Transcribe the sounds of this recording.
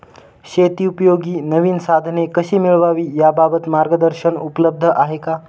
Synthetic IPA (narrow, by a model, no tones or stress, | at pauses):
ɕet̪iːupəjoɡiːnəʋiːnsad̪ʱnekəɕiːmiɭʋaʋiːjababət̪maɾɡəd̪əɾɕənupələb̚d̪ʱəʔaɦeka